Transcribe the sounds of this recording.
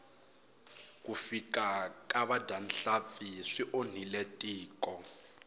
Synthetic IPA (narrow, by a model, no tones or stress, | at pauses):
kufikakʼaβadanɬap̪fiʂiʔon̤iletʼiːkʼɔ